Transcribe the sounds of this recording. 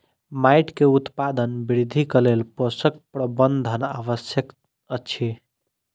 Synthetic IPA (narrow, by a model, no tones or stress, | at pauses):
majʈkeut̪pad̪ənbiɾid̪ʱikəlelposək̚pɾəbənd̪ʱəna̰βəsjək | ət͡ʃʰi